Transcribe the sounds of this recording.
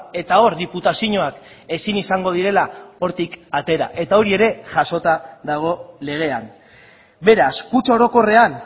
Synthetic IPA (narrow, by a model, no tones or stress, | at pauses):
e̞t̪ao̞ɾðiput̪asiɲo̞ak | e̞sinisaŋɡo̞ð̞iɾe̞lao̞ɾt̪ikat̪e̞ɾa̰ʔe̞t̪ao̞ɾie̞ɾe̞ʝaso̞t̪aðaɣ̞o̞le̞ɣ̞e̞an | be̞ɾaskut͡ʃao̞ɾo̞ko̞re̞an